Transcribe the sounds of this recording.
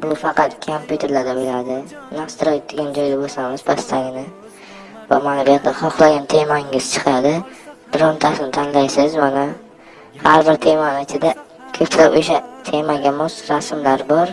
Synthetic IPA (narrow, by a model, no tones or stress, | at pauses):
bʊfɑqʰɑt̪kʰompʰʲjut̪ʰe̞ɾlaɾd̪abɪlad̪ɪ | nast̪ɾojt̪̚d̪eɡʲand͡ʒɒjd̪abosamɪzbʰast̪ʰaŋnɪ | vamanabɪjat̪d̪aχɒχlˠaɡʲant̪ʰe̞maŋɪz̥t͡ʃʰɨ̥qʰɑd̪ɪb̪̥ʊɾɒnt̪ʰasɪnɪt̪ʰanlajsɪzmana | haɾbɪɾt̪ʰe̞manɪɪt͡ʃʰɪd̪a | kʲʰɵpt̪ʰlapo̰ʃat̪ʰe̞maɡʲamɒsɾasmlaɾbɒɾ